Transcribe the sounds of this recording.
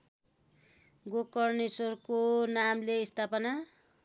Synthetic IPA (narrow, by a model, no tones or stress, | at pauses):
ɡokʌrnesorkonamleist̪ʰapʌna